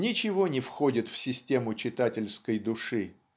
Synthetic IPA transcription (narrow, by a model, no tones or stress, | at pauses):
nʲɪt͡ɕɪvonʲɪfxo̞dʲɪt̪fsʲɪsʲtʲe̞mʊt͡ɕɪt̪atʲɪlʲskəjd̪ʊʂɨ